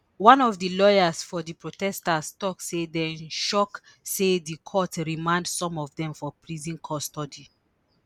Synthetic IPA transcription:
wãnɔvdəlɔjasfɔdipɹotɛstastɔksedɛ̃nʃɔk | sedikʰɔtɹimãndsɔ̃mɔvdɛ̃mfɔpʰlizĩnkʰɔstɔdi

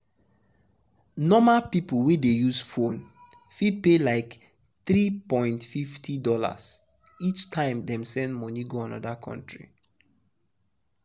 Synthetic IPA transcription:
nɔmapiplwedejuzfõn | fid̚pelaɪk | θɹipɔ̃ɪ̃ntfiftʰidɔla̰s | it͡ʃtʰãɪ̃mdɛ̃msɛ̃ndmɔniɡoãnɔdakʰɔ̰̃ntɹḭ

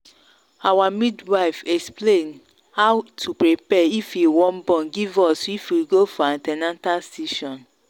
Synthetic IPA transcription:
awamidwaɪfɛksplẽn | hawtʰupɹipɛifiwɔ̃mbɔ̃nɡivɔsifwiɡofɔãntɛnãntalsiʃɔ̃n

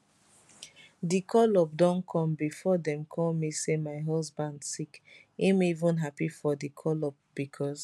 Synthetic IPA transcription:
dikʰɔlɔp̚dɔ̃nkʰɔ̃mbifɔdɛ̃mkʰɔlmisemaɪɦɔsbãndsik | imivũnɦapifɔdikʰɔlɔp̚b̥ikʰɔs

